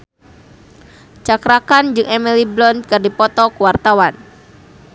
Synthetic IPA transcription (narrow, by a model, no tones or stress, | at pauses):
t͡ʃakɾakand͡ʒɨŋɛmiliblɔnkɨrdipɔt̪ɔkuwart̪awan